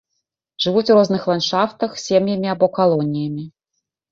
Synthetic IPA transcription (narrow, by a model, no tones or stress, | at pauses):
ʐɨvut͡sʲurɔznɨxlˠanʂaft̪ɐxsʲemjɐmʲiabɔkalˠɔnʲijɐmʲi